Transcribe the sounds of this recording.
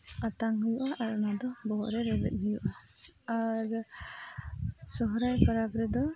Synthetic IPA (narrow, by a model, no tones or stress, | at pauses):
at̪aŋɦujuʔaʔaɾɔnad̪ɔbɔɦɔʔɾɛɾɛbɛ̰t̪̚ˀɦujuʔaaɾ | sɔɦɔɾajpʰɔɾabɾɛd̪ɔ